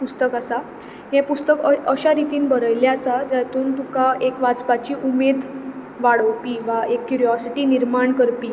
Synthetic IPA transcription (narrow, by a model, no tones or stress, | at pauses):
pust̪əkasa | jɛ̃pust̪əkəəɕaɾit̪iːnbʱəɾəjljaasad͡ʑ̪at̪uːnt̪ukaʔekʋat͡spat͡ɕiːʔumed̪ʱ | ʋaɽəwpiːʋaekːjuɾijɔsiʈiːniɾmaɳkəɾpiː